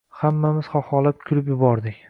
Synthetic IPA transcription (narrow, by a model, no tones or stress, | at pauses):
hamːamɪz̥χɒχɒlap̚kʲʰʊɾɪpjʊbɒɾd̪ɪkʲ